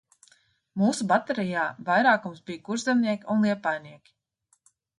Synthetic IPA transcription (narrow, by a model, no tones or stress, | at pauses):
muːsubat̪ɛɾijaːvajɾaːkumsbijkuɾzɛmniɛkʲiunlˠiɛpajniɛkʲi̥